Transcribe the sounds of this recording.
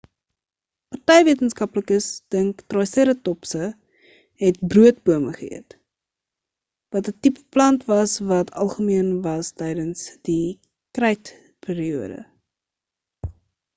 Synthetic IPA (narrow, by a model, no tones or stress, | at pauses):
pɐrtɛjviətənskɐpləkəsd̥əŋktrɔjsiɾətɔpsə | ɦɛt̚bruət̚buəməχəḭə̰t | vɐtətipplɐntvɐsvɐtʰɐ̰lˠχəmiənvɐstɛjdənsd̥i | krɛjt | piːɾiuədə̰